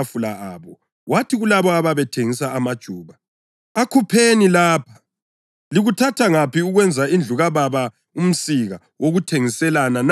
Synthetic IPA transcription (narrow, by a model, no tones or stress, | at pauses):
fulaaːβɔ | watʰiɣulaβɔaβaβɛtʰeŋisaːmad̥ʒ̥ʱuːβa | akʰupʰenilaːpʰḁ | liɣutʰatʰaŋapiuɣwɛnd͡zʱaind͡ɮʱuɣaβaβa | um̩siɣa | woɣutʰeŋisɛlanan